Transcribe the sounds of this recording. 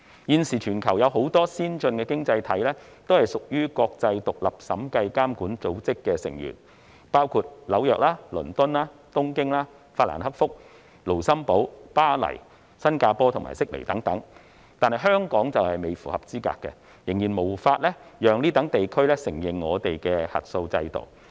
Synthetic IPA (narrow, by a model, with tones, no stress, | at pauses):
jiː˧nsiː˨˩t͡ʃʰyː˨˩nkʰɐ˨˩wjɐ˨˧wɦo˨˥wt̪ɔː˥siː˥nt͡ʃɵ˧nkɛː˧kɪ˥ŋt͡sɐ˧jt̪ʰɐ˨˥jlɛː˥ | t̪o˥whɐ˨jsʊ˨k̚jyː˥kɔː˧k̚t͡sɐ˧jt̪ʊ˨k̚lɐ˨˩p̚sɐ̰˨˥mkɐ˧jkaː˥mkuː˨˥nt͡so˨˥wt͡sɪ˥kːɛ˧sɪ̰˨˩ŋjy̰ː˨˩n | paː˥wkʰuː˧t̚lɐ˨˥wjœː˨k̚laː˥lɵ˨˩nt̪ʊ˥nlaː˥t̪ʊ˥ŋkɪ˥ŋlaː˥ | faː˧t̚la̰ː˨˩nhɐ˥k̚fʊ˥k̚ | lo˨˩wsɐ˥mpo˨˥wpaː˥lɐ̰˨˩j | sɐ˥nkaː˧pɔː˥t̪ʰʊ˨˩ŋma̰ː˨˩sɪ˥k̚lḛ˨˩t̪ɐ˨˥ŋt̪ɐ˨˥ŋ | t̪aː˨nhɐ˨˩jɦœː˥ŋkɔː˨˥ŋt͡sɐ˨whɐ˨jme˨jfṵː˨˩hɐ˨p̚t͡siː˥ka̰ː˧kːɛ̰˧ | jɪ˨˩ŋjiː˨˩nmo˨˩wfaː˧t̚lɛ˥jœː˨ŋniː˥t̪ɐ˨˥ŋt̪e˨jkʰɵ˥ɥlɛ˥sɪ˨˩ŋjɪ˨ŋːɔː˨˧t̪e˨jkɛ˧hɐ̰˨t̚so˧wt͡sɐ̰˧jt̪o̰˨˩w